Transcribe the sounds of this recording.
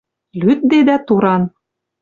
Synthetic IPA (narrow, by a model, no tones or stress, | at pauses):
lyt̪̚d̪ed̪æt̪uɾɑn